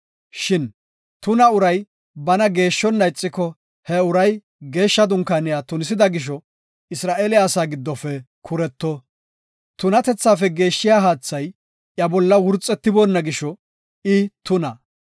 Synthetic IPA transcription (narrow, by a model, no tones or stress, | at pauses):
ʃɪn | t̪ʊnɐʊɾɐj | bɐnɐɡe̞ːʃːɔnːɐjt͡sʼːɪkːɔ | hɛʊɾɐj | ɡe̞ːʃːɐd̪ʊŋkaːnɪjaːt̪ʊnɪs̬ɪd̪ɐɡɪʃ̬ɔ | ɪsɾaːʔeːlɪaːsaːɡɪd̪ːɔfɛ | kʰʊɾɛt̪ːɔ | t̪ʊnɐt̪ɛt͡sːaːfɛɡe̞ːʃːɪjaːɦaːt͡sːɐj | ʔjɐbɔlːɐwʊɾt͡sʼːɛt̪ːɪboːnːɐɡɪʃɔ | ɪt̪ʊnɐ